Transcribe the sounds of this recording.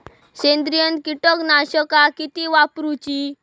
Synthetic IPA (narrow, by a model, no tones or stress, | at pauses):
ɕẽnd̪ɾijənkiʈɔknaɕəkakit̪iʋapɾut͡ɕi